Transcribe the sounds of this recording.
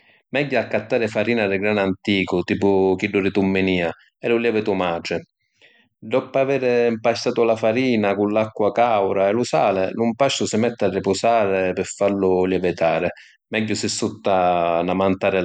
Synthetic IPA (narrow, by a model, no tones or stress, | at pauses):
mɛɟːʊakːat̪ːaːɾɪfaɾiːnarɪɡɾanant̪iːkʊt̪iːpʊkiɖːʊɾɪt̪umːɪniːa | ɛlʊljɛːvɪt̪ʊmaːt͡ʃɪ | ɖ̪ɔpːaveːɾɪmpaʃt̪aːt̪ʊlafaɾiːnakʊnlakːwakawɾaɛlʊsaːlɪlʊmpaʃːʊsɪmɛt̪ːarːɪpʊsaːɾɪpɪɾfːaɾlʊljɛvɪt̪aːɾɪ | mɛɟːʊsɪsːut̪ːanamant̪aːɾɪ